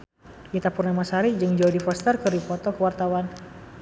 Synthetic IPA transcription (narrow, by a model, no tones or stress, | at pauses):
ʔit̪apurnamasaɾid͡ʒɨŋd͡ʒaudifast̪ərkəɾipɔt̪ɔkəwart̪awan